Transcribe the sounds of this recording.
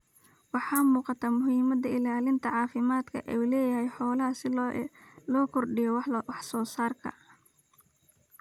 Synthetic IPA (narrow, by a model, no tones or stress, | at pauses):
wɑħɑːmuːqɑt̪ʰaːmʊɦiːmɐd̪ɐɪlaːlɪnt̪ʰɐʕɑːfɪmaːd̪kʰɐ̰ʔɛulɛːjɐɦɛjħɔːlɐɦɐsɪ | lɔːkʰɔrɖɪjɔwwɑħsɔːsaːrkʰɐ̰